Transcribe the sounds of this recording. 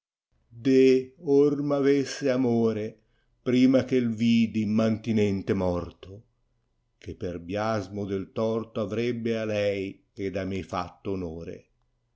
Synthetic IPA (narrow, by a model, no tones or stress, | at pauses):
d̪eormavesːeamoːɾe | pɾiːmak̟elviːd̪imant̪inɛnt̪emɔrt̪o | k̟epːerbjazmʊd̪elt̪ɔrt̪oavɾɛbːealɛj | ed̪amefa̰t̪ːoːnoːɾḛ